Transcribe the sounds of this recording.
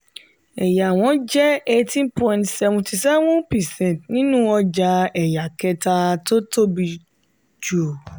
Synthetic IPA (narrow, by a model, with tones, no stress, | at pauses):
ɛ˨ja˨w̃ɔ̃˨˦d͡ʒɛ˦e˦tĩ˦npɔ̃˧ĩ˨tsɛ˧vũ˧ti˧sɛ˦wɔ̃˦pɛ˨sɛ̃˦˨tnĩ˦nũ˦ɔ˧d͡ʒa˧ɛ˨ja˨kɛ˧ta˧to˦to˦bi˧ | d͡ʒo˨